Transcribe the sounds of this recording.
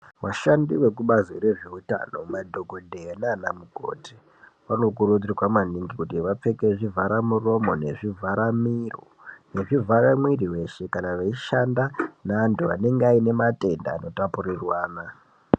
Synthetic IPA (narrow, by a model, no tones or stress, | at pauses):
waʃandiwe̞kuɓaziɾe̞ʐe̞uta̰no̞madʱo̞ɡʱo̞dʱenanamuɡʱo̰ti̥ | ʋano̞k̬urud͡zriwamaniŋɡikutiʋap͡fe̞keʐivʱaɾamuro̞mo̞ne̞̰ʐivʱaɾamiro | neʐivʱaɾamwiriwe̞ʃe̞kanaʋeiʃandanaːntuʋa̰ne̞ŋɡeaine̞mate̞nda̰ːno̞tapurirwaːna